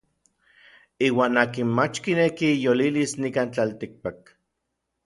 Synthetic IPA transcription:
iːwaːnaːkinmat͡ʃkinekijolilisnikaːnt͡ɬalt̪ik̚pak̚

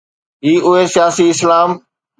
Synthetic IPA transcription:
ɦiːʔʊɦesɪjaːsiɪslaːm

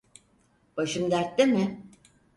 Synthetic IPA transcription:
b̥aʃɯmd̪æɾt̪̚d̪ɪmɪ

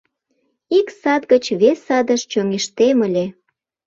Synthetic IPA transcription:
iksɑt̪ɡət͡ɕβesɑd̪əʃt͡ɕoŋeʃt̪eməlʲe

